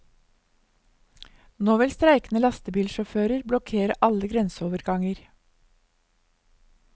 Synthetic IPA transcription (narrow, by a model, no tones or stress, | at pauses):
noːʋɛlst̪ɾæɪknəlɑst̪əbiːlʃɔføːɾəɾblɔkʰeːɾəʔɑləɡɾɛnsoːʋəɾɡɑŋəɾ